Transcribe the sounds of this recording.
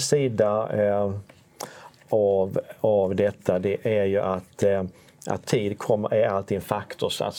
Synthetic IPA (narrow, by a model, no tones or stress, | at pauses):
siːd̪a | avavd̪ɛt̪ʰːad̪ɛʔæɾjɵʔat̪ | ʔa̰t̪ʰːiːd̪kʰɔmːəʔæɾalt̪ʰiːɡɛnfakt̪ʰʊʂa̰s